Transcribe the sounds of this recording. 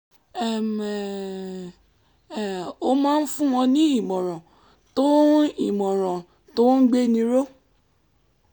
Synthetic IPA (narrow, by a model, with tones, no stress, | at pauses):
ɛ˨mɛ˨ | ɛ˨o˧mãː˦n̩˦fũ˦w̃ɔ̃˧nĩ˦i˦˨mɔ̃˨ɾ̃ɔ̃˨ | to˦i˦˨mɔ̃˨ɾ̃ã˨ | to˦n̩˦ɡ͡be˦nĩ˧˦ɾo˦